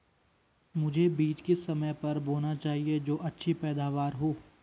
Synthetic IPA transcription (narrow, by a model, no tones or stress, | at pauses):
mʊd͡ʒʱebiːt͡ʃkesɐməjpɐɾboːnat͡ʃaːɦied͡ʒoːʔɐtːʃʰipɛːd̪aːʋaːɾɦoː